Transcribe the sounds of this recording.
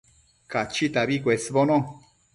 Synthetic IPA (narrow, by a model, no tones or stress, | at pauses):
kat͡ʃit̪aβikʷesβonõ